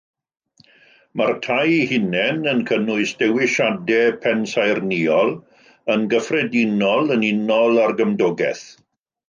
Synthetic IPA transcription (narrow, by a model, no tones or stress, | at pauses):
martʰajhɪnɛnənkʰənʊɨsd̥ɛwɪʃadɛpʰɛnsajrniɔlˠ | ənɡəfrɛdɪnɔlˠənɪnɔlˠarɡəmdɔɡɛ̰θ